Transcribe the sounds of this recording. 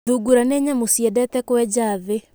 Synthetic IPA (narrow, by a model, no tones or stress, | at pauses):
ðuɡuɾaneɲamosiɛdɛtɛkwɛd͡ʑaːðe